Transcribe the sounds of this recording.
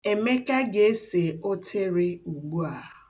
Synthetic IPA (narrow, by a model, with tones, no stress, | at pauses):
e˨me˦ka˦ɡe˨e˦se˨o˦tʰe˦ɾɪ˦u˨ɡu˦a˨